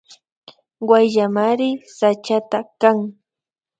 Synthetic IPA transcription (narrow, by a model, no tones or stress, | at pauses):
wajʎamaɾɪsat͡ʃat̪akaŋ